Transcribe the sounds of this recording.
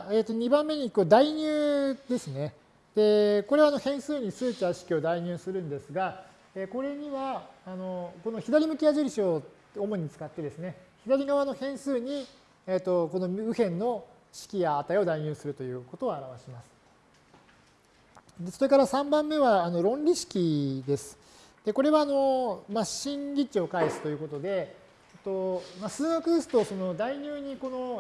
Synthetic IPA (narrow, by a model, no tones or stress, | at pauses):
eːt̪ːoɲ̟ibãmːe̞ɲ̟ikɯd̪aiɲ̟ʲɨːd̪e̞sɨne̞ | d̪̥e̞ko̞ɾe̞βano̞hẽ̞ɰ̃sɨːɲ̟isɨːt̪aɕi̥kʲio̞d̪aiɲ̟ɨːsɨɾɯ̟̃nd̪e̞sɨɡa | eko̞ɾe̞ɲ̟iβaːno̞ko̞no̞çid̪aɾʲimɯ̟kʲiaʑiɾʲiɕio | omo̞ɲ̟it͡sɨ̥kat̪ːe̞d̪e̞sɨne̞çid̪aɾʲiɡaβano̞hẽ̞ɰ̃sɨːɲ̟i | et̪ːo̞ko̞no̞ɯ̟hẽ̞nːo̞ | ɕi̥kʲijaːt̪ao̞d̪aiɲ̟ɨːsɨɾɯ̟t̪o̞jɯ̟ːko̞t̪o̞ːaɾaβaɕimasɨ̥ | d̪e̞soɾe̞kaɾasãmbãmːe̞βaːno̞ɾõ̞nɾʲiɕi̥kʲid̪e̞sɨ̥ | d̪̥e̞ko̞ɾe̞βaːno̞maɕĩŋɡʲit͡ɕio̞kaisɨ̥t̪o̞jɯ̟ko̞t̪o̞d̪e̞ | et̪o̞masɨːɡakɯd̪esɨ̥t̪o̞so̞no̞d̪aiɲ̟ʲɨːɲ̟iko̞no̞